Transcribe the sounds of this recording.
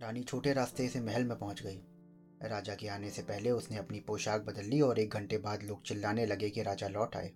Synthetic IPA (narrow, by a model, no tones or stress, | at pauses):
ɾaːnit͡ʃʰoːʈeɾaːst̪esemɛɦəlmẽpɐɦʊ̃t͡ʃɡɐiː | ɾaːd͡ʒakeaːnesepɛɦleʊsneɐpnipoːʃaːk̚bɐd̪əlːiɔːɾeːk̚ɡʱɐ̃ɳʈebaːd̪loːɡ̚t͡ʃɪlːaːnelɐɡekeɾaːd͡ʒalɔːʈa̰ːḛː